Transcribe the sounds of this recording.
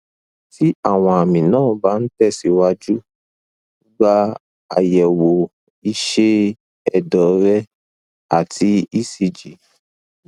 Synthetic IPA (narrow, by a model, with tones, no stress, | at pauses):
ti˦a˦˨w̃ɔ̃˧a˨mĩ˨nãː˦˨ba˨˦n̩˦tɛ˦˨si˨˦wa˧d͡ʒu˦ | ɡ͡ba˦ | a̰˨jɛ˨wo˨ | i˧ʃe˦ | ɛ˦˨dɔ˨˦ɾɛ˦ | a̰˨tʰi˨˧˦i˦˨si˧d͡ʒi˨˦